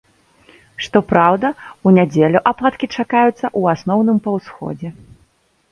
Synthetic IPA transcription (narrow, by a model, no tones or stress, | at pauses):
ʂt̪ɔpɾawd̪ɐunʲad͡zʲelʲuʔaplˠat̪kʲit͡ʂakajut̪sːɐʔuasnɔwnɨmpɐwsxɔ̰d͡zʲɛ